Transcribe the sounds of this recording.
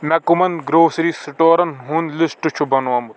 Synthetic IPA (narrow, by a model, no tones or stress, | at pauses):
mɛkumɐnɡɾoːsɾiːsɪʈoːɾɐnɦunlɪsʈut͡ʃʰubɐnoɐmu